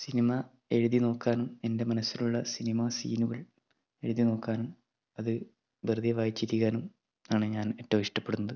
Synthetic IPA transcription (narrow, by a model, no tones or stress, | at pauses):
sinimɐ | e̞ɻuðino̞ːkːaːnume̞nde̞mɐnɐsːiluɭːɐsinimasḭːnuɣɐɭ | e̞ɻuðino̞ːkːaːnum | ɐðɨ | berd̪ijɐʋaːjit͡ɕːiɾikʲːaːnum | aːɳɨɲaːne̞tːɐmiʂʈɐpːe̞ɽunːɐðɨ